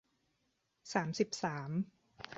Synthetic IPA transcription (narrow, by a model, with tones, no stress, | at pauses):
saː˩˦msi˨˩p̚saː˩˦m